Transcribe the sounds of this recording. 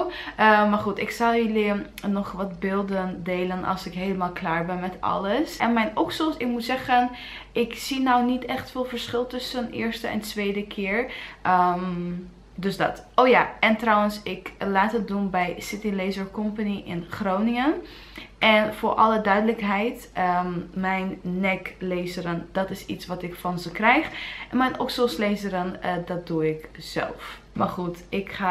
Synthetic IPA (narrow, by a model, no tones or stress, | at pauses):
maɹχutɪksɑlˠjəli | nɔχʋɑtbɪːlˠdəndeːlənʔɑ̰lˠsɪkɦejləmaːlˠklaːɹbɛnmɛtɑ̰ləsʔɛnmɛjnʔoksɔmsɪkmutsɛχən | ʔɪksinɔwnitɛχtfɪːlˠvəɹsχɪlˠtʏsənɪːɹstəʔɛ̰ntʋejdəkʰɪːɹəm | døsdɑ̰toːjaɛntrɔwənsɪklaːtɦət̚dunbɛjsɪtilejzəɹkɔmpaniʔɪnχrownɪŋən | ʔɛnvʊːɹʔɑlˠədœɥdələkɦɛjtəmɛjnːɛklejzəɾəndɑtɪsḭtsʋɑtɪkfɑnzəkrɛjχnmɛjnʔɔksoslejzəɾəndɑt̚duɪkz̥ɛ̰lˠf | maɹχutɪkχa